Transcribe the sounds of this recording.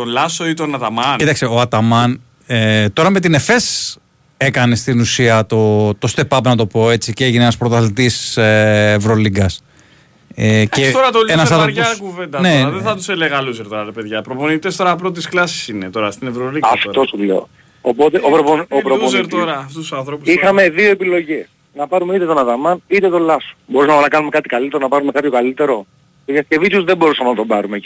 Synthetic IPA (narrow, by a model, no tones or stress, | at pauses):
t̪onlɐsoit̪onɐt̪ɐmɐnit̪ɐksioɐt̪ɐmɐn | et̪o̞ɾɐme̞t̪̬ine̞fe̞s | e̞kɐne̞st̪inusiɐt̪o̞t̪o̞st̪e̞pɐpnɐt̪o̞po̞e̞t͡siceʝineenɐspɾot̪ɐθit̪iseːvɾoliɡɐs | ecet̪oɾɐt̪oenɐsɐðɾoɾʝoɐkuve̞nd̪ɐneɐðeθɐt̪useleɣɐluseɾt̪o̞ɾɐɾepeðʝɐpɾo̞ponit̪est̪o̞ɾɐpɾot̪isklɐsi̥sinet̪o̞ɾɐst̪inevɾoliɡɐfo̞sulḛo̰ | o̰po̞t̪eʔopɾoponopɾoponzɾt̪oɾɐft̪ust̪usɐnθɾopu̥ixɐme̞ðio̞e̞pilo̞ʝe̞s | nɐpɐɾumeit̪et̪o̞nɐðɐmɐnit̪et̪o̞lɐso̥bo̞ɾusɐmenɐkɐnume̞kɐt̪i̥kalit̪e̞ɾonɐpɐɾume̞kɐpçokalit̪e̞ɾo̞ | t̪oðjɐsce̞vit̪uzðebo̞ɾusɐmenɐt̪o̞bɐɾume̞